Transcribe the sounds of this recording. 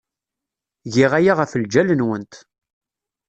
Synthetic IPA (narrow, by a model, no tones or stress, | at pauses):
ʝɪʁæjaʁəfəld͡ʒælənwənt̪